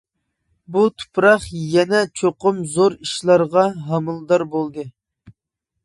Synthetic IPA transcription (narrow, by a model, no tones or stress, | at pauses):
but̪ʰu̥pɾɑχjɛnɛt͡ʃʰoqʊmzoɾiʃlˠɑɾʁɑɦɑmɨlˠd̪ɑɾbolˠd̪ɨ